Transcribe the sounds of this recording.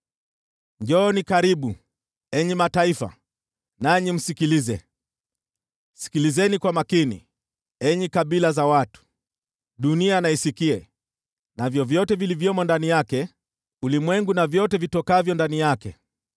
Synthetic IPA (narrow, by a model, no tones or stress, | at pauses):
ɲd͡ʒɔnikaɾiɓu | ɛɲimataifa̰ | naɲim̩sikilizɛ | si̥kilizɛnikwamakinḭ | ɛɲikaɓilazawatu̥ | ɗunianaisikiɛ | navjɔvjɔtɛvilivjɔmɔndanijakɛ | ulimwɛŋɡunavjɔtɛvitɔkavjɔndanijakɛ̰